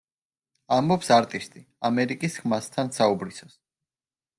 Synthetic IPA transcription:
ambɔpsaɾt̪ʼist̪ʼi | amɛɾikʼisχmast̪ʰansaubɾisas

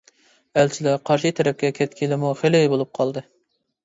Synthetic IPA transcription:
ælt͡ʃʰɪlɪqʰɑɾʃɨt̪ʰɛɾɛp̚kʲɛkʲʰɛt̪kʲʰilɪmuχelɪjbolˠup̚qʰɑlˠd̪ɨ

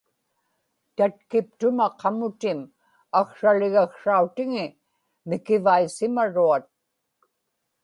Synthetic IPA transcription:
t̪at̪̚kɪp̚t̪ʊmaqʰɑmʊt̪ɪm | akʂalɪɣakʂaut̪ɪŋɪ | mɪkɪvaisɪmaɻuat̪̚

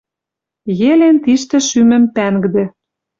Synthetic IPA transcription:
jelent̪iʃt̪ĕʃymɘ̆mpæŋɡd̪ĕ

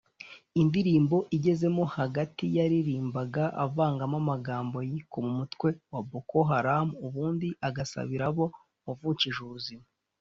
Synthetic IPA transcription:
indiɾiːmbo̞ʔiɟe̞ze̞mo̞haɡatijaɾiɾiːmbaɡaʔa̰vaːŋɡamamaɡaːmbo̞jikomumutkwe̞waboko̞ɦaɾamuβuːndiʔaɡasa̰βiɾaβo̞ | avuciʒuuzima

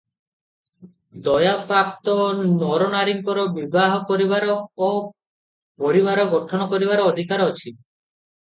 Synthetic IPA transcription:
d̪ɔjapɾap̚t̪ɔnɔɾɔnaɾiŋkɔɾɔbibaɦɔkɔɾiβaɾɔː | pɔɾibaɾɔɡɔʈʰɔnɔkɔɾiβaɾɔːd̪ʱikaɾɔt͡ʃʰi

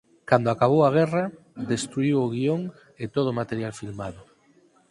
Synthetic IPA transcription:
kand̪ʊakaβ̞owaɣ̞ɛra | d̪est̪ɾuiwʊɣ̞ioŋ | et̪oð̞ʊmat̪eɾjalfilmaðʊ

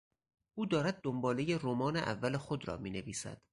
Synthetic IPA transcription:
ʔuːd̪ɒːɾæd̪̚ːombɒːlejeromɒːneʔæ̰vːælexod̪ɾɒ̰ːmiːneviːsæ̰d̪̥

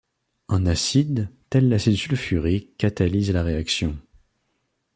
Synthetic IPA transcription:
ɑ̃nasid̪t̪ɛlːasesylfyʁekat̪alizlaʁeaksjɔ̃

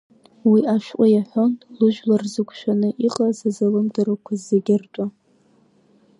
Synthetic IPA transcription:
wiʔaʃᶣʔʷʼajaħʷontʼlɨʒᶣlarzɨkʷʰʼʃᶣanɨʔiqʼazazalɨmdɨɾakʷʰazːeɡʲɪrtʼa

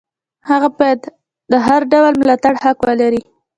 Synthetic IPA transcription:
haɣabajad̪ | d̪əɦaɾɖawalmɪlat̪aɽhakwalaɾi

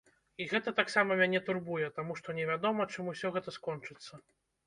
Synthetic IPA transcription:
iɣɛt̪ɐt̪aksamɐmʲanʲɛt̪urbujɛt̪amuʂt̪ɔnʲɛvʲad̪ɔmɐt͡ʂɨmusʲɔɣɛt̪ɐskɔnt͡ʂɨt̪sːɐ

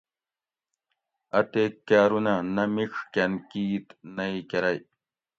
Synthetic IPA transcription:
at̪ekːaːɾunanɐmiʂkʲankiːt̪najkɐɾaj

